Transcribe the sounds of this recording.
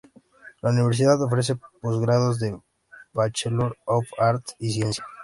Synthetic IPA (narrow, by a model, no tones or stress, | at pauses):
launiβeɾs̬iðaðofɾes̬e̞pozɣɾaðozðe | bat͡ʃeloɾofaɾt̪isje̞nsja